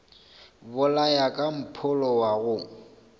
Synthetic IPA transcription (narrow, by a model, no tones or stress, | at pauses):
bʊlajakʼam̩pʰʊlɔwaɣʊ